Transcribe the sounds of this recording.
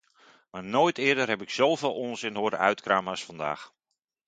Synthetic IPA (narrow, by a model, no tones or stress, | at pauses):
marnoːjtʰɪədərɦɛpɪksowveːlˠoənsɪnhoədə̰œɥtkraːmasfɑnda̰ːx